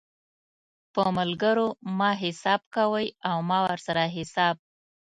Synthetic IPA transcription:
pəmʊlɡəɾomɑɦɪsɑb̚kawəjawmɑwəɾsaɾaɦɪsɑb̚

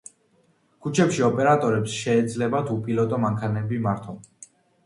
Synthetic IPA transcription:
kʰut͡ʃʰɛpʃiɔpʼɛɾat̪ʼɔɾɛpsʃɛːd̪zlɛbat̪ʰupʼilɔt̪ʼɔmaŋkʰanɛbimaɾt̪ʰɔn

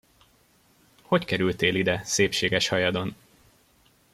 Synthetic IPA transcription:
ho̞ckɛɾylt̪eːlid̪ɛseːpʃeːɡɛʃhɒjɒd̪o̞n

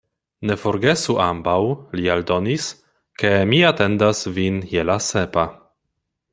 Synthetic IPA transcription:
ne̞fo̞ɾɡe̞suʔambawliald̪o̞nis | ke̞miat̪e̞ndasvinjelasepa

